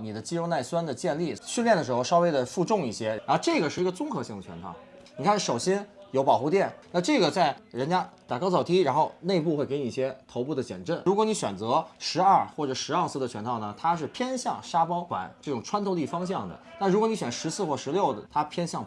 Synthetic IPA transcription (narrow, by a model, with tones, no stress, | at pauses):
ni˨˩d̪ə˦t͡ɕi˥ɻo˥˧ʊna˥˩ɪswa˥nd̪ə˨t͡ɕjɛ˥˧nli˥˩ɕy˥˧nljɛ˥˩nd̪ə˩ʂɻ̩˧˥xo˧ʊʂɑ˥e˥ɪd̪ə˨fu˥˧ʈ͡ʂʊ˥˧ŋi˥˩ɕjɛ˥ɻa˧˥n˥˧ʈ͡ʂɤ˥˩ɡə˩ʂɻ̩˥˩˧ɡə˧t͡sʊ˥ŋxɤ˧˥ɕi˥˩ŋd̪ə˩t͡ɕʰɥɛ̰˧˥nt̪ʰɑ̰˥˩ʊ | ni˨˩kʰa˥˩nʂo˨˩ʊɕjɛ˥njo˧˥ʊpɑ˨˩ʊxu˥˧t̪̬jɛ˥˩nna˥˧ʈ͡ʂɤ˥˩ɡə˩t͡sa˥˩ɪɻə˧˥nt͡ɕja˥t̪a˨˩kɑ˥ʊt͡sʰɑ˨˩ʊt̪ʰi˥ɻa˧˥nxo˥˧ʊne˥˧ɪpu˥˧xwe˥˩ɪke˧˥ɪni˧˥˧ɕjɛ˥t̪ʰo˧˥ʊpu˥˩d̪ə˩t͡ɕjɛ̰˨˩nʈ͡ʂə˥˩nɻu˧˥kwɔ˧˥ni˧˥ɕɥɛ̰˨˩nt͡sɤ˧˥ʂɻ̩˧˥ɐ˞˥˩xwɔ˥˩ʈ͡ʂɤ˨˩ʂɻ̩˧˥a˞˥˧sɹ̩˥˧ə˧t͡ɕʰɥɛ˧˥nt̪ʰɑ˥˩ʊnə˩t̪ʰa˥ʂ̬ɻ̩˥˩pʰjɛ˥nɕjɑ˥˩ŋʂa˥pɑ˥ʊkwa̰˨˩˦nʈ͡ʂɤ˥˩ʈ͡ʂʊ˨˩ŋʈ͡ʂʰwa˥nt̪ʰo˥˧ʊli˥˩fɑ˥ŋɕ̬jɑ˥˩ŋd̪ə̰˩t̪a˥˩ɻu˧˥kwni˧˥ɕɥɛ˨˩nʂɻ̩˧˥sɹ̩˥˧xwɔ˥˩ʂɻ̩˧˥ljo˥˩ʊd̪ə̰˩t̪ʰa˥pʰjɛ˥nɕjɑ˥˩ŋ